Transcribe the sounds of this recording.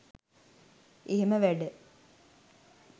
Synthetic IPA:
eɦeməʋæɖə

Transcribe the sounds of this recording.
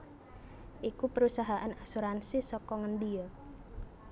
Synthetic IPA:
ʔikupəɾusaɦaʔanasuɾansisɔkɔŋənd̪ijɔ

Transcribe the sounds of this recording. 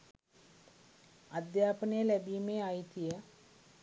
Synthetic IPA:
ɐd̪jaːpənejɐlɛbiːmeait̪ijə

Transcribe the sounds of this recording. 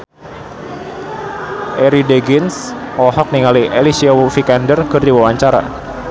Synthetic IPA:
ʔeɾideɡɪnsɔhɔk̚niŋaliʔelisiawfikandərkɨrdiwawaɲt͡ʃaɾa̰

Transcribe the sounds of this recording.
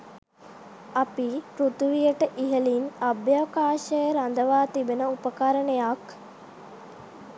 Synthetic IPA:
apipɾut̪uʋijəʈəʔiɦəlinabjaʋkaːʃəjəɾand̪əʋaːt̪ibenəupəkaɾəɳejak

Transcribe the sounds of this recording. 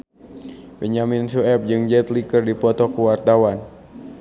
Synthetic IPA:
bɛɲaminsuɛp̚d͡ʒɨŋd͡ʒɛt̪likɨrdipɔt̪ɔkuwart̪awan

